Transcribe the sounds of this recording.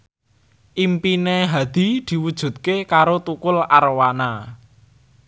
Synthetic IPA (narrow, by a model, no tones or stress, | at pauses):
ʔimpineɦad̪̥i̤d̪̥i̤wud̥ʒ̥ṳt̪̚kekaɾot̪ukʊlaɾwana